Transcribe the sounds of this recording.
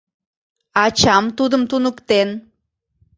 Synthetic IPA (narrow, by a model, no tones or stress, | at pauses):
ɑt͡ɕɑmt̪ud̪əmt̪unəkt̪en